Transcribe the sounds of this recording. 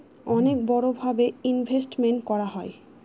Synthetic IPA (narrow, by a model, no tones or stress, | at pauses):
ɔnek̚bɔɽobʱabeinbʱesʈmeɳʈkɔɾaɦɔe